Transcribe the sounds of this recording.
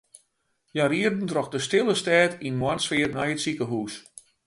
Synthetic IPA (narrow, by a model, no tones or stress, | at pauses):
jaɾiərdn̩trɔxdəstɪlˠəstɛːtinmwartsfɪːrnajətsikəɦuːs